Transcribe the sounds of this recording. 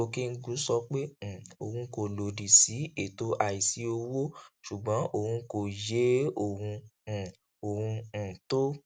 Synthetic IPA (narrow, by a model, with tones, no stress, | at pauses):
o˧ki˦n̩˦ɡu˨˦sɔ˧k͡pẽ˦˨o̰˨hũ˧˦ko˧˨lo˨di˨si˨˦e˨to˨˦ʔa˧˨i˨si˨˦o˧wo˦ʃu˨ɡ͡bɔ̃˨˦ʔo˧˨hũ˧˦ko˨je˨˦o˨hũ˧˨ | o˨hũ˧˨to˦